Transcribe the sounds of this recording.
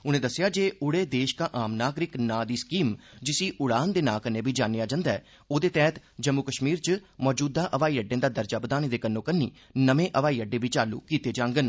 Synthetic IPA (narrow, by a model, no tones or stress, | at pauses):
ʊnẽːd̪əsːɪjaːd͡ʒeːʊɽeːd̪eːʃkãːʔaːmnaːɡɾɪknãːd̪iːskiːmd͡ʒɪsiːʔʊɽaːnd̪eːnãːkənẽːbʱiːd͡ʒaːnejaːd͡ʒãːnd̪aɛː | oːd̪eːt̪ɛːt̪ | d͡ʒəmːʊkəʃmiːɾt͡ʃəmɔːd͡ʒuːd̪aːʔəʋaːiːəɖẽːd̪aːd̪əɾd͡ʒaːbəd̪aːnẽːd̪eːkənːõːkənːḭː | nəmẽːʔəʋaːiːəɖeːbiːt͡ʃaːlːṵːkiːt̪eːd͡ʒãːŋɡən